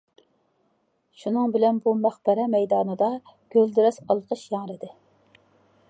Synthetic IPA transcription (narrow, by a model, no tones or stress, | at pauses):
ʃunɨŋbɪlɛnbumæχbɛɾɛmɛjd̪ɑːnɨd̪ɑ | ɡ̥ʲøld̪ɪɾɛsɑlˠqəʃjɑŋɾɨd̪ɪ